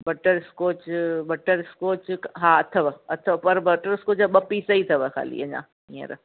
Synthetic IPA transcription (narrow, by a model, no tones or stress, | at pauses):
bɐʈəɾɪskoːt͡ʃbɐʈəɾɪskoːt͡ʃɦãːɐt̪ʰɐʋɐɐt̪ʰɐʋpɐɾbɐʈəɾɪskoːt͡ʃɓɐpːisɐit̪ʰɐʋəkʰa̰ːlḭɐɲa̰ː | ĩɐ̰ɾ̰